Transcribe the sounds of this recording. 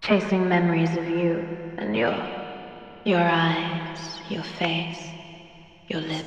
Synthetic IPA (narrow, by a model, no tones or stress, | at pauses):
t͡ʃʰeɪsɪ̃ŋmɛmə˞izʌvjʉʔɨ̰̃njə̰˞ | jə˞aɪz̥jə˞feɪs | jə˞lɪ